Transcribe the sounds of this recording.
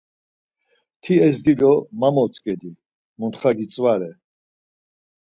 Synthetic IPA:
t̪ʰiɛzd̪id̪ɔmamɔt͡sʼkʼɛd̪i | munt̪χaɡit͡sʼvaɾɛ

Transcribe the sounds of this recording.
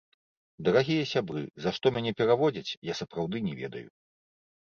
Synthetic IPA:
d̪ɐɾaɣʲijɐsʲabɾɨ̰zaʂt̪ɔmʲanʲɛpʲɛɾavɔd͡zʲɐt͡sʲjasɐpɾawd̪ɨnʲɛvʲɛ̰d̪ɐ̰jṵ

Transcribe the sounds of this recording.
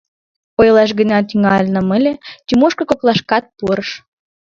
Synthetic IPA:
ojlɑʃɣənʲɑt̪yŋɑlʲnə̆məlʲet̪ymoʃkɤ̆koklˠɑʃkɑt̪̚puɾəʃ

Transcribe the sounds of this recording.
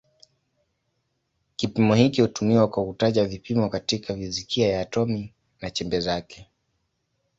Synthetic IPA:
kipimɔhikihutumiwakwahutaʄavipimɔkatikʰavizikʰiajaːtɔmi | nat͡ʃɛmbɛzakɛ̥

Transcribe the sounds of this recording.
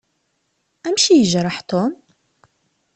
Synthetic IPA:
ʔæmʃijəʒɾˤɑħt̪om

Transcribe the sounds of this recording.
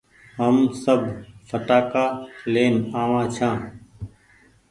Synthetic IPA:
ɦəmsəbʱfəʈaːkaːleːnaːʋãːt͡ʃʰãː

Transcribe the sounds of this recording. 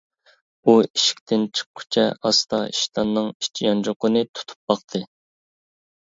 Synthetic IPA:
uiʃi̥k̚ʲt̪ʰɪnt͡ʃʰə̥qʰːʊ̥t͡ʃʰɛɑst̪ɑiʃt̪ʰɑnːɨŋi̥ʃt͡ʃʰijɑnd͡ʒoqʊnɨt̪ʰu̥t̪ʰu̥p̚bɑqt̪ʰɨ

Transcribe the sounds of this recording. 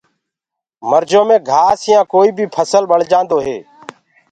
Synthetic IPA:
məɾd͡ʒoːmẽːɡʱaːsɪjãːkoːiːbʱiːpʰəsəlɓəɽ̤d͡ʒãːnd̪oːɦḛː

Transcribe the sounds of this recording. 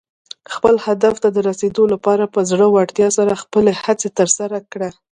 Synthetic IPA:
xpəlhad̪aft̪ad̪əɾased̪olapɑɾapəzɽəwaɽt̪jɑsaɾaxpəlehat͡set̪əɾsaɾakɽa

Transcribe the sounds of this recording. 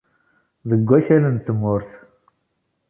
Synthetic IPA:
ðəɡʷːæçælənt̪ːəmːʊɾθ

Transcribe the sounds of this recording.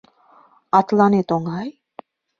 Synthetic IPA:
at̪lanet̪oŋɡaj

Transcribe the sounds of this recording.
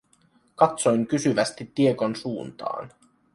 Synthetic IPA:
kɑt̪so̞jŋkysyʋæst̪it̪ːieko̞nsuːnt̪ɑ̰ːn

